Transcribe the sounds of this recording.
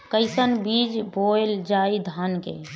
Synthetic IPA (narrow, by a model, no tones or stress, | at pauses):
kəɪsənbid͡ʒboeld͡ʒaid̪ʱankḛ